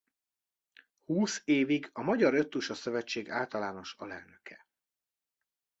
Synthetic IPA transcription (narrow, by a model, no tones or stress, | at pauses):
huːseːviɡɒmɒɟɒɾø̞t̪ːuʃɒsø̞vɛt͡ʃːeːɡaːlt̪ɒlaːno̞ʃɒlɛ̰lnø̞kʰɛ